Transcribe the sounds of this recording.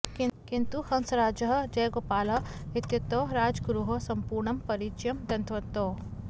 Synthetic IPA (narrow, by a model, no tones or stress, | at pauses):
kkint̪uhɐnsɾaːd͡ʒɐɦd͡ʒɐjɡoːpaːlɐɪt̪jɐt̪ːoːɾaːd͡ʒɡɾuɦosɐmpuːɾɳɐmpɐɾit͡ʃjɐmd̪ɐnt̪ʰʋɐt̪oː